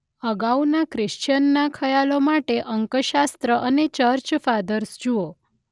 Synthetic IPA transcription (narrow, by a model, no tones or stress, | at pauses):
əɡaunakɾɪʃt͡ʃənːakʰəjalomaʈeʔəŋkəʃast̪ɾəʔənet͡ʃəɾt͡ʃfad̪əɾsd͡ʒuo